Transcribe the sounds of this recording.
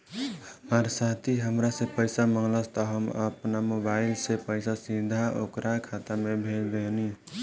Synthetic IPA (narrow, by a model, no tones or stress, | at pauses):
həmaɾsat̪ʰiɦəmɾasepəɪsaməŋləst̪ɔɦəmə̰pnamobaɪlsepəɪsasĩd̪ʱaokɾakʰat̪amebʱeld̪eni